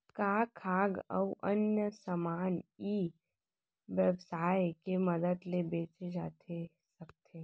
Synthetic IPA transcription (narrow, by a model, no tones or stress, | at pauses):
kakʰaːɡɐ̰ʋʔɐnjəsəmaːniː | ʋəbsaːjkeməd̪əd̪lebeːt͡ʃed͡ʒa̰ːt̪ʰe | sɐk̚t̪ʰe